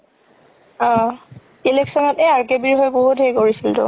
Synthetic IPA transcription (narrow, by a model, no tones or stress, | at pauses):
ɔ̃ | ileksɔnɔtɛaɹkebiɹɦojboɦutɦejkoɹisiltʊ̰